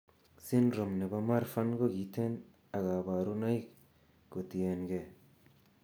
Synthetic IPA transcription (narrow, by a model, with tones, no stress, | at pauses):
si˦nɾɔ˨mne˨bama˦ɾfa˦nɡɔ˦ɡit̪ʰe˦n | a˨ɡa˨ba˨ɾu˦na˦jk | ko˨t̪i˨enɡe